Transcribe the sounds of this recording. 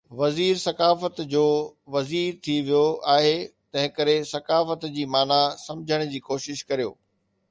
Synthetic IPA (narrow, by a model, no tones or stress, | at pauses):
ʋɐziːɾsɐkaːfət̪d͡ʑoːʋɐziːɾt̪ʰiʋijoaːɦet̪ɐ̃ɦɪ̃kɐɾesɐkaːfət̪d͡ʑiːmaːnasɐ̃md͡ʑʱəɽ̃d͡ʑiːkoːʃɪʃkɐɾijo̰ː